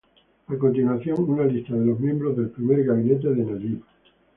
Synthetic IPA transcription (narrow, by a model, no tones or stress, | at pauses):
akont̪inwaθjo̞ŋunalist̪aðe̞lo̞ɦmjembɾozðe̞lpɾimeɾɣaβine̞t̪̬e̞ðenaiβa